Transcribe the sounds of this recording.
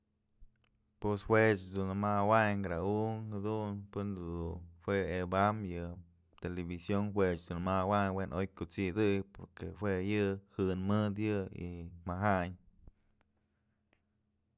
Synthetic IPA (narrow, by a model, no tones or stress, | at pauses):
pweshwet͡ʃd̪unmawaɲɡɾauŋhad̪unpɨnd̪d̪uhwʷeebamjɨ | t̪elebisjoŋxʷwet͡ʃd̪unmawaɲwenʔojkut͡sid̪ɨjpoɾkehwejɨhɨnmɨd̪jɨḭmaɦaɲ